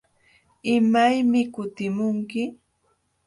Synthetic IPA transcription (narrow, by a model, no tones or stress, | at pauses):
ɪmajmɪkʊt̪ɪmʊŋkɪ